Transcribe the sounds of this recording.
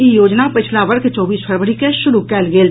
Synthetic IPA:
ijoːd͡ʒnapɪt͡ʃʰlaʋɐɾket͡ʃɔːbiːspʰɐɾʋəɾikeʃʊɾukɛːlɡeːl

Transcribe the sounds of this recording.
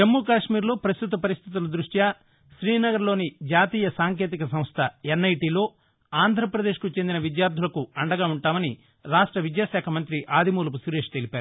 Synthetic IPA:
d͡ʒɐmːuːkaːʂmiːɾlo̞ːpɾɐst̪ut̪̬ɐpɐɾist̪ʰit̪̬ulɐd̪ɾuʂʈja | ʃɾiːnɐɡɐɾlo̞ːnid͡ʒaːt̪iːjɐsaːŋk̬e̞ːt̪̬ikɐsɐ̃mst̪ʰɐenːɐjʈiːlo̞ː | aːnd̪ʱɾɐpɾɐd̪e̞ːʃkut͡ʃend̪inɐʋid̪jaːɾd̪ʱulɐkuɐɳɖɐɡaːuɳʈaːmɐni | ɾaːʂʈɾɐʋid̪jaːʃɛːkʰɐmɐnt̪ɾiʔaːd̪ʱimuːlɐpusuːɾe̞ːʂt̪e̞lipæːɾuu

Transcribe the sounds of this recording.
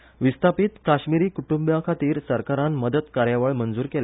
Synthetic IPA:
ʋist̪ʰapiːt̪kaɕmiɾiːkuʈũmbjakʰat̪iːɾsəɾkaɾanməd̪ət̪kaɾjaʋəɭmənd͡zuːɾkel

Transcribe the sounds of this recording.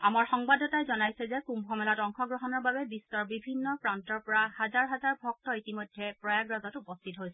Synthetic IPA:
amaɹxɔŋbadʱɔtajzɔnajsɛzɛkumbʱɔmɛlatɔŋkʰɔɡɹɔɦɔnɔɹbabɛbistɔɹbibʱinːɔpɹantɔɹpɔɹahazaɹɦazaɹbʱɔk̚tɔitimojdʱːɛpɹɔjaɡɹazɔtupɔstʰitɦojsɛɛ

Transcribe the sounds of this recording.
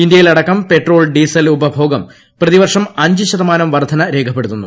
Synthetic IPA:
ind̪jɐjilɐɽɐkːɐmpe̞ʈro̞ːlɖiːsɐlubɐbʱo̞ːɡɐm | prɐðiʋɐrʂɐmɐɲd͡ʑɨɕɐðɐmaːnɐmʋɐrd̪ʱɐnɐɾe̞ːkʰɐpːe̞ɽut̪ːunːu

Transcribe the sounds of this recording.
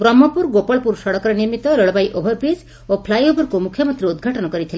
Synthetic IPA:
bɾɔmːɔpuɾɡopɔɭpuɾsɔɽɔkɔɾɔniɾmit̪ɔɾəɭbajʔobʱɔɾbɾis | opʰlajobʱɔɾkumukʰjɔmɔnt̪ɾiud̪ɡʱaʈɔnɔkɔɾit̪ʰile

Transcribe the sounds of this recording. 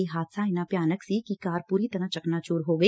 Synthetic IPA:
iɦaːt̪saɪnapjaːnəksikikaːɾpuːɾit̪ɐɾãt͡ʃɐknat͡ʃuːɾɦoːɡɐ

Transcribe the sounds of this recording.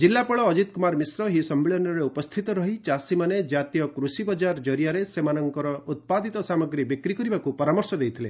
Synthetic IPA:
d͡ʒilːapɔɭɔːd͡ʒit̪kumaɾmisɾɔɦisɔmːeɭɔnɔɾeupɔst̪ʰit̪ɔɾɔɦit͡ʃasimaned͡ʒat̪ijɔkɾusibɔd͡ʒaɾd͡ʒɔɾjaɾesemanɔŋkɔɾɔut̪̚pad̪it̪ɔsamɔɡɾibikɾikɔɾibakupɔɾamɔɾsɔd̪ejt̪ʰile

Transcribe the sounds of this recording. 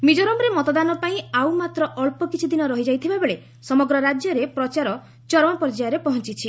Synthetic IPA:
mid͡ʒɔɾɔmɔɾemɔt̪ɔd̪anɔpaĩawmat̪ɾɔʔɔɭpɔkit͡ʃʰid̪inɔɾɔɦid͡ʒajt̪ʰibabeɭe | sɔmɔɡɾɔɾad͡ʒjɔɾepɾɔt͡ʃaɾɔ | t͡ʃɔɾmɔnpɔɾd͡ʒajɔɾepɔɦɔnt͡ʃit͡ʃʰi

